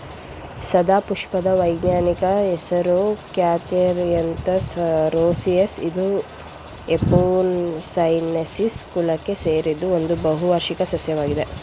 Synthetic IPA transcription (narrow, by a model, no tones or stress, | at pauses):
sɐd̪aːpuʂpɐd̪ɐʋɐjɡɲaːnikɐesɐɾukjaːt̪iɾjɐnt̪ɐsɾoːsijesid̪u | epoːnsɐjnesiskulɐkːe̞seːɾid̪ːuond̪ubɐɦuʋaɾʂikɐsɐsjɐʋaːɡid̪e̞